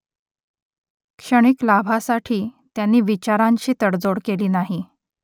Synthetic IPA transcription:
kʂəɽ̃iklabʱasaʈʰiːt̪janːiːʋit͡ɕaɾaɲt͡ɕiːt̪əɽd͡zoɽkeliːnaɦi

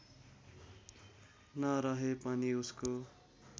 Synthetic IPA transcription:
nʌɾʌɦepʌniusko

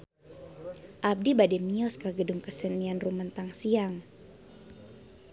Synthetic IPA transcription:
ʔab̚dibadɛmiɔskaɡəduŋkəsənːianrumənt̪aŋsiaŋ

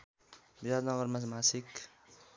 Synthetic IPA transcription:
biɾad̪nʌɡʌrmasmasik

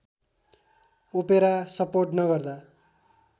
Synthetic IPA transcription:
upeɾasʌporʈnʌɡʌrd̪a

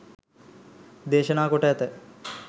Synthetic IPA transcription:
d̪eːʃənaːkoʈəɛt̪ə

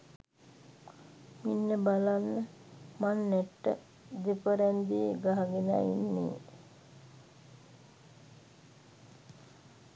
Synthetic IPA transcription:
minːəbalanːə | manːɛʈːə̰ | d̪epəɾɛnd̪iəɡaɦaɡena̰ːḭnːḛː

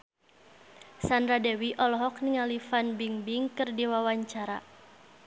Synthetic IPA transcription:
sandɾadɛwiʔɔlɔɦɔk̚niŋalifanbiŋbiŋkɨrdiwawaɲt͡ʃaɾa̰

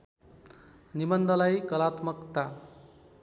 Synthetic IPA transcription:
nibʌnd̪ʌlajkʌlat̪mʌkt̪a

